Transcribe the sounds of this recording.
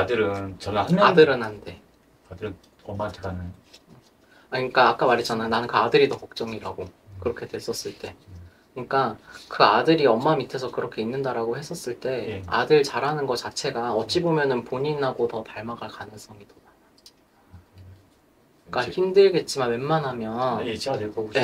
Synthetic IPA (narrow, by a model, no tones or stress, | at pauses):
dɯɾɯnt͡ɕʌnadɯɾɯnɦande̞ | adɯɾɯ | ʌmːatʰɡanɯn | aɯɲik͈aːk͈amaɾet͡ɕ͈anajonanɯnkɯadɯɾitʌkʌk̚t͡ɕ͈ʌŋiɾaɡokɯɾʌkʰe̞dwe̞s͈ʌs͈ɯɭt͈e̞kɯɲik͈akɯadɯɾiʌmːamitʰe̞sʰʌkɯɾʌkʰe̞inːɯndaɾaɡohe̞s͈ʌs͈ɯɭt͈e̞adɯɭt͡ɕaɾɦanɯnɡʌt͡ɕat͡ɕʰe̞ɡaʌt͡ɕ͈ibomjʌnɯnpoɲiaɡotʌpaɭmaɡaɭkanɯŋs͈ʌŋidomaa | k͈açimdɯɭɡe̞t̚t͡ɕ͈imanwe̞nmːanɦamjʌnke